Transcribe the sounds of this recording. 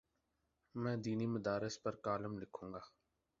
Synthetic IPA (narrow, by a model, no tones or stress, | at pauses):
mɛ̃ːd̪iːniːməd̪aːɾɪspəɾkaːləmlɪkʰũːŋɡaː